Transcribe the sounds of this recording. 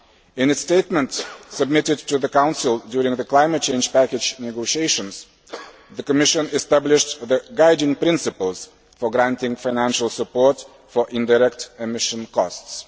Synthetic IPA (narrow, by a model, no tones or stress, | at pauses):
ɨ̃nɨtsteɪt̚mə̃ntsəb̚mɪɾɨd̚tɨðəkãʊ̃nsɪlˠdjʊɹɪ̃ŋðəklãɪmɨt̚t͡ʃʰẽɪ̃nd͡ʒ̥pækɨd͡ʒnɛɡoʊʃieɪʃə̃nz̥ | ðɨkəmɪʃɨ̃nɨstæblɪʃðəɡaɪdɪ̃ŋpɹɪ̃nsɨpəl̩ˠz̥ | fə˞ɡɹæ̃ntɪ̃ŋfaɪnæ̃nʃl̩ˠsəpɔɹt | fə˞ʔɪ̃ndaɹɛk̚tɨmɪʃə̃nkʰɔsts